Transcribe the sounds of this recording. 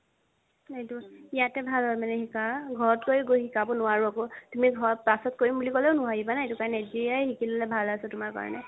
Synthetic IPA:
etuijatɛbʱalɔmanɛɦikaɡʱɔɹɔtkojɡoɦikabɔnʊwaɹuakotumiɡʱɔɹɔpasɔt̚koɹimbulikɔlɛʊnʊɦadibanaetukaɹɔnɛziajhikilɔlɛbʱalasɛtʊmaɹka̰ɹɔ̰nɛ̰

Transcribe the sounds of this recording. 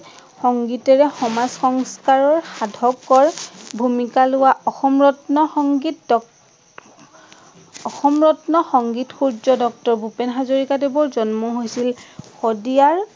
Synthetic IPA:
xɔŋɡitɛɹɛxɔmazxɔŋskaɹɔɹxadʱɔkɔɹbʱumikalʊwaɔxɔmɹɔtnɔxɔŋɡit | ɔxɔmɹɔtnɔxɔŋɡitxuɹzɔdɔk̚tɔɹbʱupenɦazoɹikadebɔɹzɔnmɔɦojsilxodijaɹ

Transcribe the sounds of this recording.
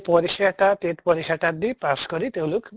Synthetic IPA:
pɔɾikʰːaʈat̪et̪pɔɾikʰːaʈad̪ipaskɔɾit̪ewluk

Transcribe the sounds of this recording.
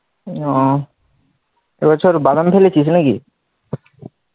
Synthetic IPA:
ɔ | ḛbɔt͡ɕʰoɾbad̪ampʰelet͡ɕʰisnakḭ

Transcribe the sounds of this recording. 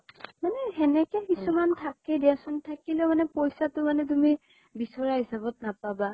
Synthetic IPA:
manɛɦɛnɛkɛkisumantʰakɛdiasɔntʰakilɛmanɛpojsatʊmanɛt̬umi | bisɔɹaɦisabɔt̚napaba

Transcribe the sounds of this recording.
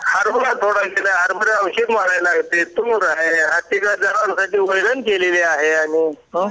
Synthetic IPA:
haɾbulat̪ʰoɽakilaɦaɾbəɾeə̃wɕiːd̪maɽajlaɡt̪et̪oɾaɦeɦat̪ikad͡zaɽaɳsaʈiːojɽənkeleleaɦeaɽ̃i

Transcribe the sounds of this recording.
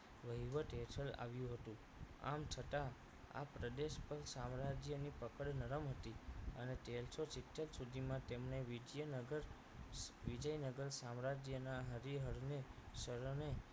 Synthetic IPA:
ʋəɦiʋəʈ̪ɦeʈʰəla̰ʋjũɦət̪ũ | a̰mt͡ʃʰət̪a | a̰pɾəd̪eʃpəɾsamɾad͡ʒjənipəkəɽnəɾəmɦət̪iəneʈelsot͡ʃikʈːəlsud̪ʱimãt̪emɳeʋid͡ʒjənəɡəɾ | ʋid͡ʒəjnəɡəɾsamɾad͡ʒjənaɦəɾiɦəɾneʃəɾne

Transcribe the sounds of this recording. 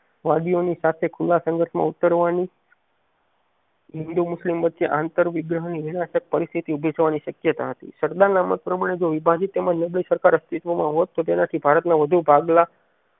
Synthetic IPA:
ʋad̪ionisat̪ʰekʰulːasə̃ŋɡʱəɾʃmã̰ut̪əɾʋani | ɦɪnd̪umʊslimʋət̪ːʃeʔant̪əɾʋiɡɾəɦniʋiɽ̃aʃək̚pəɾist̪ʰit̪iubʱed͡ʒʋaniʃəkjət̪a̰ɦət̪ḭʃəɾd̪aɾnamə̰t̪̚pɾəmaɽ̃ed͡ʒoʋibʱad͡ʒit̪ːeməd͡ʒnəblisəɾkaɾəst̪it̪ʋomã̰ɦot̪ːot̪enat̪ʰibʱaɾət̪naʋəd̪ʱubʱaɡla

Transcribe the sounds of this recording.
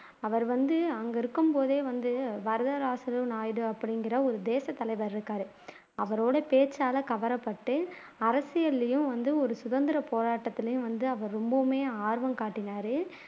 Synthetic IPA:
ɐʋɐɾʋɐnd̪ɯɐŋɡɐɪɾɯkːɯmpoːðeːʋɐnd̪ɯʋɐɾɯðɐɾaːsɐlɯnaːjɽɯɐpːɐɽɪŋɡɪɾɐɔɾɯd̪eːsɐt̪ːɐlɐɪʋɐɾɪɾɯkːaːɾɯ | ɐʋɐɾoːɽɐpeːt͡ʃːaːlɐkɐʋɐɾɐpːɐʈːɯ | ɐɾɐsɪjɐlːɐjɯ̃ʋɐnd̪ɯɔɾɯsʊðɐnd̪ɪɾɐpoːɾaːʈːɐt̪ːɪlɐjʊ̃ʋɐnd̪ɯɐʋɐɾɾɔmbɐmeːaːɾʋɐmkaːʈːɪnaːɾɯ

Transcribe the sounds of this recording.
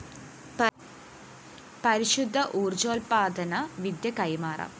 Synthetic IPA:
pɐɾiɕud̪ʱːɐʔuːrd͡ʑoːlpaːd̪ʱɐnɐʋid̪jɐkɐjmaːrɐ̰

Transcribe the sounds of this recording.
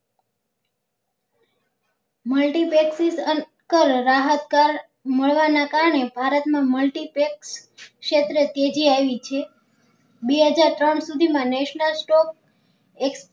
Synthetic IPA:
məlʈipeksisən | kəlɾaɦət̪kaɾ | məɭʋanakaɾəɳebʱaɾət̪mãməlʈipeksʃet̪ɾət̪ed͡ʒiaʋit͡ʃʰe | beɦəd͡ʒaɾt̪ɾəɳsud̪ʱimãneʃnəlsʈɔk̚ | eks

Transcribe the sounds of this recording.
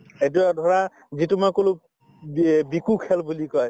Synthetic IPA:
et̬uadʱɔɹa | zitʊmakolo | bikukʰɛlbulikɔj

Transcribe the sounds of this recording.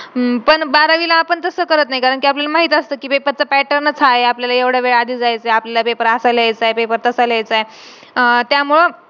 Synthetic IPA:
pəɳbaɾaʋilaːpəɳt̪əsəːkəɾət̪najkaɾəɳkiːapljalamaɦiːt̪ast̪əːkiːpepəɾt͡səpæʈəɾnət͡sʰajeapljalajeʋɽ̤aʋeɭad̪ʱiːd͡zajt͡seapljalapepəɾasələajt͡saepepəɾt̪əsələajt͡sae | t̪jamuɭə

